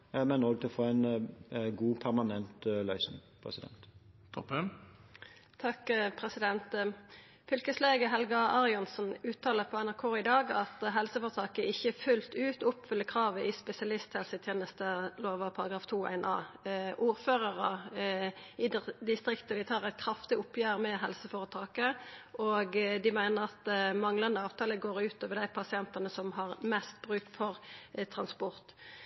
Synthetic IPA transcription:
mɛnɔɡət̪ʰɪlɔfoːæɪn | ɡuːpʰæɾmɑnɛnt̪lœʏsnɪ̰ŋpʰʁɛ̰sɪd̪ɛ̰nt̪t̪ʰɔpən | t̪ʰɑkpʰʁɛsɪd̪ɛnt̪ | fʏlkəsleːɡəɦɛlɡɑɑʁɪɔnsnʉːt̪ʰːɑːləʁpʰoːɛnæʁkʰoːɪd̪ɑːɡɑt̪ɦɛlsəfɔʁt̪ʰɑːkəʔɪçəfʉlt̪ʉːt̪ʊpfʏlːəkʰʁɑːʋəʔɪspɛsɪɑlɪst̪hɛlsət̪ʰjeːnəst̪əloːʋɑpʰɑʁɑɡʁɑːft̪ʰuːæ̰ɪnɑ̰ːʔuːʁføːʁɑʁə | ɪd̪d̪ɪst̪ʁɪkt̪əd̪ɪt̪ʰɑːʁɛɪt̪̚kʰɾɑft̪ɪʊpʰjæːʁmɛɦɛlsəfoːʁət̪ʰɑːkəʔoːɡd̪ɪmæɪnəʁɑt̪̚d̪mɑŋlɑnd̪əɑːʋt̪ʰɑːləɡoːʁʉːt̪oːʋəʁd̪æɪpʰɑsɪɛnt̪ɑnəsɔmɦɑʁmɛst̪̚b̥ʁʉːk̚t̪fɔʁt̪ʰʁɑnspɔʁt̪

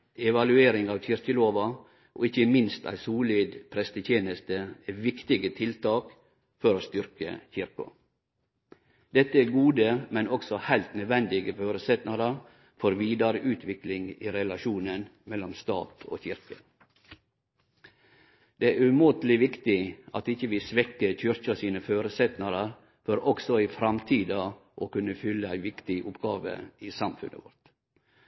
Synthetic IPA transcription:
ɛʋɑlʉeːɾɪŋɑːʋçɪɾkəloːʋɑ | ʔo̰ːɪçəmɪnst̪ʰæ̰ɪsuːliːd̪pʰɾɛst̪ətʰjeːnəst̪əɛʋɪkt̪ɪɡət̪ʰɪlt̪ʰɑːk | fɔɾoːst̪ʏɾkə̰çɪɾkʊ̰ | d̪̥ɛt̪ːəæɾɡuːd̪əmɛnɔksɔhæɪlt̪nœd̪ʋɛnd̪ɪɡəføːɾəsɛt̪nɑd̪ə | fɔɾʋiːd̪ɑɾəʔʉːt̪ʰʋɪklɪŋḭːɾɛlɑʃuːnənmɛlːɔmst̪ɑ̰ːt̪o̰ːçɪɾkə | d̪eːæɾʉmʊt̪lɪʋɪkt̪ɪɑt̪ɪçəʋɪsʋɛkːəçʏɾçɑsiːnəføːɾəsɛt̪nɑɾəɾ | fɔɾɔɡsɔɪfɾɑmt̪ʰiːd̪ɑʔoːkʉnːəfʏlːəæɪʋɪkt̪ɪʔʊpɡ̥ɑːʋə̰iːsɑmfʉ̰nʔə̰ʋɔ̰ɾt̪

